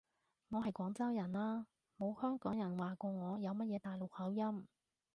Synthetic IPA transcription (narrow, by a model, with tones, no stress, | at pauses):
ŋɔː˨˧ɦɐ˨jkʷɔː˨˥ŋt͡sɐ˥wjɐ˨˩nlaː˥ | mo˨˧whœː˥ŋkɔː˨˥ŋjɐ˨˩nwaː˨kɔː˧ŋɔː˨˧jɐ˨˧wmɐ˥t̚jɛː˨˧t̪aː˨jlo˨˩k̚hɐ˨˥wjɐ˥m